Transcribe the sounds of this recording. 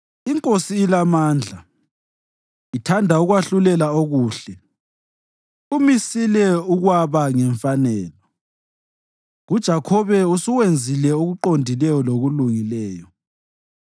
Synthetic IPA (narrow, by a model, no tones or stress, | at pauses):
iŋkʼosiːlamaːnd͡ɮʱa | itʰandʱauɣwaɬulɛlaoɣuːɬɛ | umisilɛuɣwaβaŋɛɱfanɛːlɔ | ɣud̥ʒ̥ʱakʰɔβɛusuɣwend͡zʱilɛuɣuǃondʱilɛjɔloɣuluŋilɛːjɔ